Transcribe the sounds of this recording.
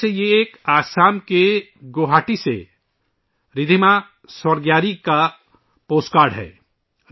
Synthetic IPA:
ejeːkaːsaːmke | ɡoːɦaːʈisḛ | ɾɪd̪ʱima | səɾɡjaːɾika | poːskaːɾɖɦɛ̰ː

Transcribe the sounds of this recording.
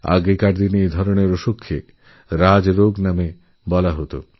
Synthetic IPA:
a̰ɡekaʈd̪ineed̪ʱɔɾoɽeɾoʃokʰːḛ | ɾad͡ʑɾoɡname | bɔlaɦot̪o̰

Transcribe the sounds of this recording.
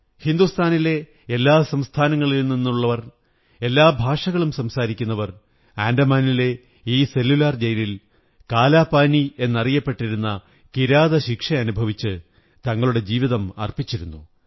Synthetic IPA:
hind̪ust̪ʰaːnile̞ | elːaːsɐmst̪ʰaːnɐŋːɐɭilninːuɭːɐʋɐr | e̞lːaːbʱaːʂɐɣɐɭumsɐmsaːɾikʲːunːɐʋɐr | aːndɐmaːnile̞ | iːse̞lːulaːrd͡ʑɐjɾil | kaːlaːpaːnie̞nːɐrijɐpːe̞ʈːiɾunːɐ | kiɾaːðɐɕikʂɐɐnubʱɐʋit͡ɕːɨ | t̪ɐŋːɐɭuɽe̞d͡ʑiːʋiðɐmɐ̰rpit͡ɕːiɾunːu

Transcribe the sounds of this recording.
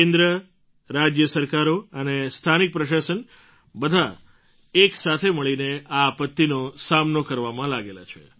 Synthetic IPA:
kend̪ɾə | ɾad͡ʒjəsəɾkaɾoənest̪ʰanik̚pɾəʃasən | bəd̪ʱa | eksat̪ʰeməɭineaːpət̪ːinosamnokəɾʋamãlaɡela̰t͡ʃʰḛ

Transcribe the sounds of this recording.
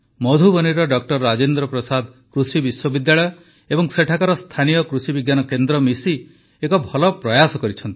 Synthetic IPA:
mɔd̪ʱubɔniɾɔɖɔk̚ʈɔɾːad͡ʒend̪ɾɔpɾɔsad̪kɾusibiswɔbid̪jaɭɔjɔ | ebɔŋseʈʰakaɾɔst̪ʰanijɔkɾusibiɡjanɔkend̪ɾɔmisi | ekɔbʱɔlɔpɾɔjasɔkɔɾit͡ʃʰɔnt̪i

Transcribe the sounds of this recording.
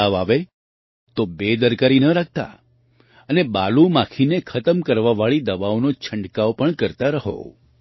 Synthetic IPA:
aʋaʋe | t̪obed̪əɾkaɾinəɾak̚ʰt̪a̰ | ənebalumãkʰinekʰət̪əmkəɾʋaʋaɭid̪əʋaonot͡ʃʰəɳɖkaopəɳkəɾt̪aɾəɦo̰

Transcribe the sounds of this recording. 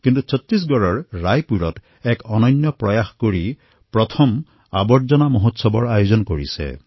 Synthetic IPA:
kintusʰɔt̪ɹis̬ɡɔɹɔɹɹajpuɹɔt | ɛkɔnɔnjɔpɹɔjaxkoɹi | pɹɔt̪ʰɔm | a̰bɔtzɔnamoɦotsɔbɔɹajozɔnkoɹḭsɛ̰

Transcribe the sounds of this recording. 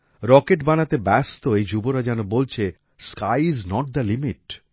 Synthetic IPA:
ɾɔkeʈbanat̪ebɛst̪oejd͡ʑuboɾad͡ʑɛnobolt͡ɕʰe | skajiznɔʈ̚d̪ɐlimiʈ

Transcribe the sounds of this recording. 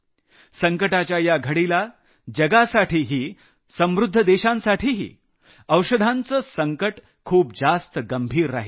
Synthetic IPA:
səŋkəʈat͡ɕjajaɡʱəɽila | d͡ʑəɡasaʈʰiːɦiː | sə̃mʋɾud̪ʱːəd̪eɕãnsaʈʰiːɦḭː | əwɕəd̪ʱãnt͡səsəŋkəʈ | kʰuːp̚d͡zast̪əɡəmbʱiːɾːaɦi

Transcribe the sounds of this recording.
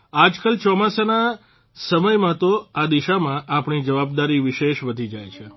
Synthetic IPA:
ad͡ʒkəlt͡ʃɔmasana | səməjmãt̪oad̪iʃamãʔapɳ̃id͡ʒəʋab̚d̪aɾiʋɪʃeʃʋəd̪ʱid͡ʒajt͡ʃʰe

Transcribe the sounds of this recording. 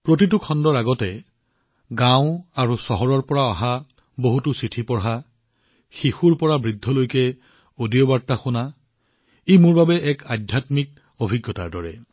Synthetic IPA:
pɹotit̬ukʰɔndɔɹaɡɔtɛ | ɡãʊ̃aɹusɔɦɔɹɔɹpɔɹaaɦa | boɦutusitʰipɔɹɦa | xixuɹpɔɹabɹidʱːɔlojkɛ | odiɔbaɹtaxʊna | ejmʊɹbabɛʔɛkadʱjatmik̚ | obʱiɡːɔta̰ɹdɔɹɛ̰

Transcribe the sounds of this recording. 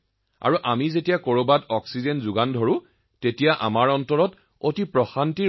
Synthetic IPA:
a̰ɹuʔamizetijakoɹobadɔksizenzuɡandʱoɹʊ̃ | tetijaʔa̰maɹɔntɔɹɔt | otipɹɔxanti

